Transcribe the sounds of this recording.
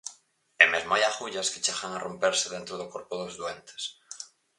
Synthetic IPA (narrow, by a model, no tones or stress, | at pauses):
emezmoajaxuʎaske̥t͡ʃeɣaŋarompeɾseðent̪ɾoðokoɾpoðozðwent̪e̥s